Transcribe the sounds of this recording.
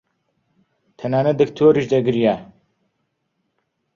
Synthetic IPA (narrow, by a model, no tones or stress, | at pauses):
t̪ʰɐnaːnɐd̪ɨkt̪ʰoɾiʒd̪ɐɡɨɾija